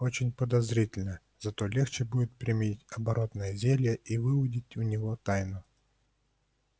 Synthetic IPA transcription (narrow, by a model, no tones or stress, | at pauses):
o̞t͡ɕɪnʲpəd̪ɐzɾʲitʲɪlʲnə | z̥ɐt̪o̞lʲext͡ɕɪbudʲɪt̪̚pɾʲɪmʲiitʲɐbɐɾʔo̞t̪nəjəzʲelʲjəʔivɨʊdʲɪtʲʊnʲɪvo̞t̪ajnʊ